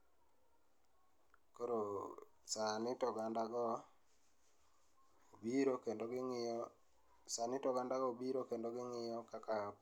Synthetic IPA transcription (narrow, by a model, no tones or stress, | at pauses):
koɾo | sanɪtɔɡandaɡɔ | biɾokendoɡŋ | sanɪtɔɡandaɡɔbiɾokendoɡɪŋɪjɔkakap